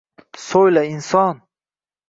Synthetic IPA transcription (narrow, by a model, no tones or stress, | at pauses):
solainsɔn